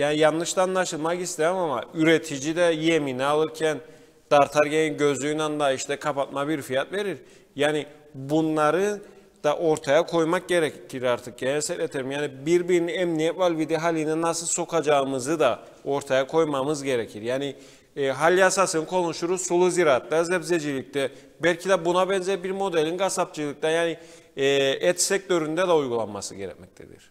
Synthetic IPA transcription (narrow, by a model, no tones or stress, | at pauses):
jaːnijanːɯʃt̪anːaʃɯlˠmakist̪ʰejmama̰yɾet̪ʰid͡ʒid̪ɛjeminɛalˠɯɾcʰæn | d̪̥aɾt̪ʰaɾɟeninɟøzlʲyjnand̪aiʃt̪ɛkʰapat̪̚mabiɾfijat̪ve̞ɾiɾ | jaːni | bunlˠaɾɯ | d̪̥aʔo̞ɾt̪ʰajakʰo̞jmak̚ɟe̞ɾɛcʰiɾaɾt̪ʰɯk̚ɟenɛsɛlʲet̪ʰeɾimjaːnibiɾbiɾiniɛmnijɛt̪valʲvid̪iɦalʲininasɯlˠso̞kʰad͡ʒaɯmɯzɯd̪a | o̞ɾt̪ʰajakʰo̞jmamɯzɟe̞ɾecʰiɾjaːniː | ɦalʲːiasasɯnɯkʰo̞nuʃuɾusulˠuziɾaːt̪lazɛbzed͡ʒilʲic̚t̪ɛ | bɛlʲcʰid̪ɛbunabɛnzɛɾbiɾmo̞d̪ɛlʲinɡasap̚t͡ʃʰɯlˠic̚t̪ɛjaːniː | ɛt̪sɛc̚t̪ʰøɾynd̪ɛd̪ɛujɡulˠanmasɯ̰ɟe̞ɾɛ̰c̚mɛ̰c̚t̪ʰḛd̪ḭɾ̥